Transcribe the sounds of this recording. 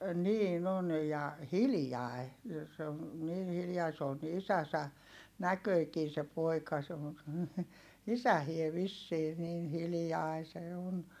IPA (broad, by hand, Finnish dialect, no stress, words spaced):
niːn on jɑ hiljɑˑi̯ se on̞ niːn hiljɑi s oːn ni isæsæ nækøikiː se poikɑ se on̞ isæhie ʋisːiː niːn hilĭjɑi se on